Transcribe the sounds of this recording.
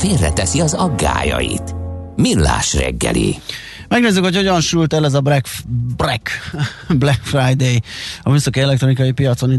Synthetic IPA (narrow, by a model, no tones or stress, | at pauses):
feːrːɛt̪ɛsiɒzɒɡːaːjɒjit̪milːaːʃrɛɡːɛliː | mɛɡneːzykho̞cho̞ɟɒnʃult̪ɛlɛzɒbrɛkbrɛk | blɛkfrajd̪ejɒmysokiɛlɛk̚t̪roikɒjipijɒt̪so̞ni